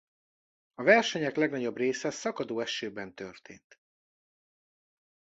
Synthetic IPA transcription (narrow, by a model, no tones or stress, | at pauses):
ɒvɛrʃɛɲɛklɛɡnɒɟo̞breːsɛssɒkɒd̪oːɛʃøːbɛnt̪ørt̪ḛːnt̪